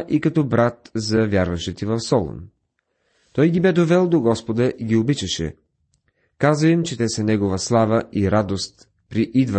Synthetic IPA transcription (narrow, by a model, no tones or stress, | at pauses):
ʔikɐt̪ɔbɾat̪zɐvʲjaɾvɐʃɛt̪ivɐfsɔlˠo̰n | t̪ɔjɡʲibɛd̪ovɛlˠd̪oɡɔspod̪əʔiɡʲiobit͡ʃəʃɛ̰ | kazvɐimt͡ʃɛt̪ɛsɐnɛɡovɐslˠavəʔiɾad̪ost̪ | pɾiʔid̪və